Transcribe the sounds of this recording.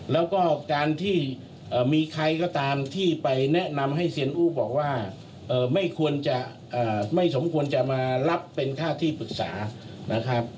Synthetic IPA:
lɛː˦˥wkɔː˥˩kaː˧nt̪ʰiː˥˩ | ʔɤː˨˩miː˧kʰɾa˧jkɔː˥˩t̪aː˧mt̪ʰiː˥˩pa˧jnɛ˦˥na˧mɦa˥˩jsi˧ənʔuː˥˩bɔː˨˩k̚waː˥˩ | ʔɤː˨˩ma˥˩jkʰu˧ənt͡ɕa˨˩ | ʔɤː˨˩ma˥˩jso˩˦mkʰu˧ənt͡ɕa˨˩maː˧la˦˥pːe˧nkʰaː˥˩t̪ʰiː˥˩pɯ˨˩k̚sa̰ː˩˦na˦˥kʰɾa˦˥p̚

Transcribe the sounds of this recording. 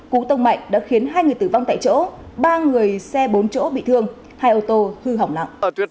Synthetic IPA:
ku˨˦t̪ə˧wŋ͡mma̰˧˨jŋ̟ɗa̰ː˧˥xi˨˦ənɦaː˧jŋɨ˨˩əjt̪ɨ˧˩va˧wŋ͡mt̪a̰ː˧˨jt͡ɕo̰˧˥ | ɓaː˧ŋɨ˨˩əjsɛ˧ɓo˨˦nt͡ɕo̰˧˥ɓḭ˧˨t̪ʰɨ˧əŋ | haː˧jʔo˧t̪o˧hɨ˧ɦa˨˩wŋ͡mla̰˧˨ŋ͡mʔ

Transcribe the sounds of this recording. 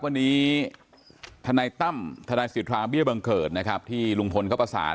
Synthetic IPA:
wa˧nːiː˦˥ | t̪ʰa˧naː˧jt̪a˥˩mt̪ʰa˧naː˧jsi˨˩t̪ʰɾaː˧ŋbi˥˩ba˧ŋkɤː˨˩t̪̚na˦˥kʰɾa˦˥p̚t̪ʰiː˥˩lu˧ŋpʰo˧nkʰa˦˥pa˧sa̰ː˩˦

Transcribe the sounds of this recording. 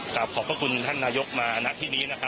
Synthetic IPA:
ka˨˩p̚kʰɔː˩˦pʰɾa˧kʰu˧nt̪ʰa˥˩nːaː˧jo˦˥k̚maː˧na˦˥ʔt̪ʰiː˥˩niː˦˥na˦˥˩kʰa˦˥

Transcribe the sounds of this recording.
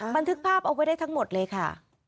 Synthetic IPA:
ba˧nt̪ʰɯ˦˥k̚pʰaː˥˩p̚ʔa˧wa˦˥jdaː˥˩t̪ʰa˦˥ŋmo˨˩t̪̚lɤː˧jkʰa˥˩

